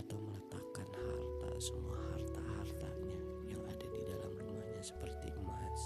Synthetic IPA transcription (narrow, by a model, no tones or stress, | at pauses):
t̪awmələt̪akanhart̪a̰səmuahart̪ahart̪aɲa | jaŋadadidalamrumaɲasə̥pərt̪iʔəmaas